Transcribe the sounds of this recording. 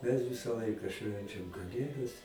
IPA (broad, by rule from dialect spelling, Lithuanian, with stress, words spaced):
mʲɛs ˈʋʲɪsɐ ˈlˠɐɪkɐ ˈʃʲʋʲɛnʲt͡ʃʲɛm kɐˈlʲeːdɐs